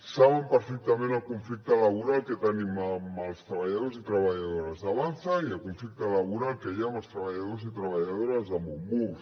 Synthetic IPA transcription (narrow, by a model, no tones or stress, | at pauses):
saβəmpəɾfɛk̚t̪amẽnalkuɱflik̚t̪alaβuɾalˠket̪ənimamalˠst̪ɾaβaʎaðozit̪ɾaβaʎaðoɾazaβanθaiəlkuɱflik̚t̪alaβuɾalˠkeʎamalˠst̪ɾaβaʎaðozit̪ɾaβaʎaðoɾazamumbus